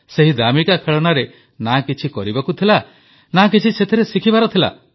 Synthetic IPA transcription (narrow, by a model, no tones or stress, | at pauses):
seɦid̪amikakʰeɭɔnaɾe | nakit͡ʃʰikɔɾibakut̪ʰila | nakit͡ʃʰiset̪ʰeɾesikʰibaɾɔt̪ʰila̰